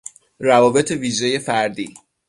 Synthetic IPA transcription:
rævɒːbe̞t̪ʰe̞viːʒe̞je̞fæɾd̪iː

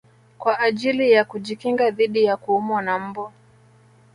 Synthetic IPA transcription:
kwaʔːʄilijakuʄikiŋɡaðiɗijakuumɔnam̩bɔ

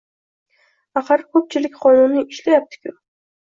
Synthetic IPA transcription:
aqɑɾkʰɵp̚t͡ʃʰɪlɪkʲqʰɒnʊnːɪɪʃlajap̚t̪ʰɪ̥kʰʲʊ

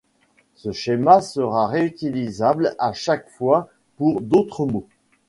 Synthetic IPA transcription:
səʃemasəʁaʁeyt̪ilizablaʃakfwa | puʁd̪ot̪χəmo

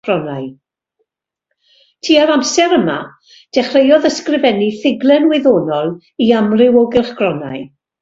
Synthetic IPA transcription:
rɔnaɨ | tʰiːaɾamsɛɾəma̰ | d̥ɛχrejɔðəskrɪvɛniθɪɡlˠɛnwɪðoːnɔlˠ | iamrɪwɔɡɪlˠχɡrɔna̰j

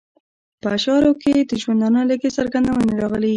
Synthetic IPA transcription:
pəʃɑɾoked̪əʒwand̪ɑnələɡesaɾɡand̪awəneɾɑɣəle

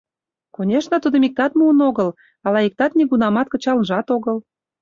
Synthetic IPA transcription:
konʲeʃnət̪ud̪əmik̚t̪ɑt̪muənoɣəl | ɑlɑik̚t̪ɑt̪nʲeɣunɑmɑt̪̚kə̆t͡ɕɑlnʒɑt̪oɣəl

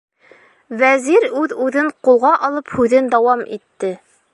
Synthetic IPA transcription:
væziɾʉðʉðɘɴqulˠʁɑʔɒlˠɤphʉðɘnd̪æwɑmit̪ːɘ

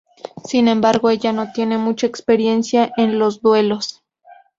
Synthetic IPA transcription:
sinẽ̞mbaɾɣo̞eʝano̞t̪je̞ne̞mut͡ʃaekspe̞ɾje̞nsjaʔenlo̞zd̪we̞lo̞s

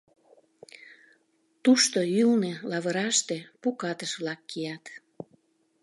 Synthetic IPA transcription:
t̪uʃt̪oylnelɑβəɾɑʃt̪epukɑt̪əʃβlɑkːijɑt̪

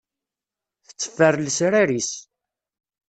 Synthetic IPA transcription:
θə̥t͡sːə̥fːərlsɾaɾis

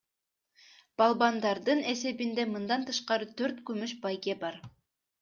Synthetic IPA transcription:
b̥ɑlˠbɑnd̪ɑɾd̪ɯne̞se̞bind̪emɯnd̪ɑnt̪ɯʃqɑɾɯt̪ʰøɾt̪kymyʃbɑjɡʲe̞bɑɾ

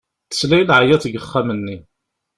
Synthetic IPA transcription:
θə̥slæjlʕajætɡəχːamənːi

